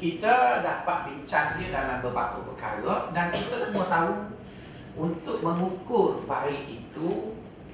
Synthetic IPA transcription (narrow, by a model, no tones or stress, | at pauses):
kit̪ədapat̪̚biɲt͡ʃaniədalambərbak̪upəka̰ɾədankit̪əsəmuət̪au | unt̪ʊk̚mə̃ŋukʊrbaɪʔit̪u